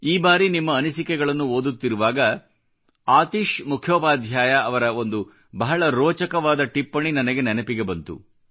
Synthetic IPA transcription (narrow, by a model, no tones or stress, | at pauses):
iːbaːɾinimːɐːnisikɛɡɐɭɐnːuoːd̪ut̪ːiɾuʋaːɡɐ | aːt̪iʃmukʰjoːpaːd̪ʱjaːjɐɐʋɐɾɐo̞nd̪u | bɐɦɐɭɐɾoːt͡ʃɐkɐʋaːd̪ɐʈipːɐɳinɐnɐɡe̞nɛnɐpiɡe̞bɐnt̪ṵ